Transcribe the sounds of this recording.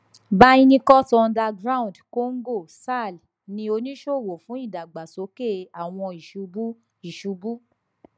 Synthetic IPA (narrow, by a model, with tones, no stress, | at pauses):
ba˦ĩ˦nĩ˦kɔ˦tɔ˧nda˧ɡɾa˦˨ũ˨dko˦ŋ̩˦ɡo˦˨sa˦˨l | nĩ˧o˧nĩ˦ʃo˦˨wo˨fũ˨˦i˦˨da˨ɡ͡ba˨so˨˦ke˦˨a˨w̃ɔ̃˧i˨ʃu˨˧˦bu˦ | i˨ʃu˨˧˦bu˦